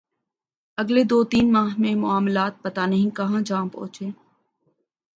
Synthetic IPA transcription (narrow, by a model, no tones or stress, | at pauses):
əɡleːd̪oːt̪iːnmaːɦmẽmʊaːmlaːt̪̚pət̪anəɦĩkəɦãːd͡ʒãːpo̰ːt͡ʃeː